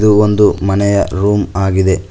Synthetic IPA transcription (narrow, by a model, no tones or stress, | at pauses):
d̪uond̪umɐnɛjɐɾuːmaːɡid̪e̞